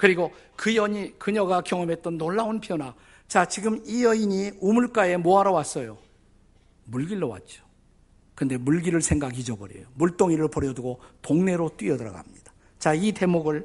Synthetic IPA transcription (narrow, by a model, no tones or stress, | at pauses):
kɯɾiɡo | kɯjʌɲikɯɲʌɡakjʌŋʌmɦe̞t̚t͈ʌnːoɭːaunpʰijona | t͡ɕat͡ɕiɡɯmijʌiɲiumuɭk͈ae̞moaɾʌwas͈ʌjo | muɭɡiɭːowa̰t̚t͡ɕ͈o̥ | kɯnde̞muɭɡiɾɯɭsʰe̞ŋɡaɡid͡ʑʌbʌɾḛjomuɭt͈oŋiɾɯɭpʌɾjʌduɡotoŋne̞ɾot͈wɥiʌdɯɾʌ̰ɡa̰mɲid̥ḁ | t͡ɕaite̞moɡɯɭ